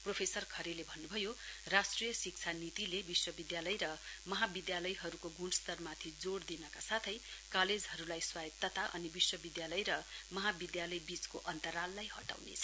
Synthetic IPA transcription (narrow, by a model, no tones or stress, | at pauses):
propʰesʌrkʰʌɾelebʱʌnːubʱʌjorasʈrijʌsik̚t͡sʰanit̪ilebiswʌbid̪jalʌjɾʌmʌɦabid̪jalʌjɦʌɾukoɡuɳst̪ʌrmat̪ʰid͡zoɽd̪inʌkasat̪ʰʌjkaled͡zɦʌɾulajswajʌt̪ːʌt̪aʔʌ̰nibiswʌbid̪jalʌjɾʌmʌɦabid̪jalʌjbit͡skoʔʌnt̪ʌɾalːajɦʌ̰ʈa̰wnḛt͡sʰʌ̥